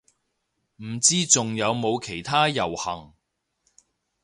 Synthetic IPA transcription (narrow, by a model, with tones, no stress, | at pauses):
m̩˨˩t͡siː˥t͡sʊ˨ŋjɐ˨˧wmo˨˧wkʰe˨˩jt̪ʰaː˥jɐ˨˩whɐ˨˩ŋ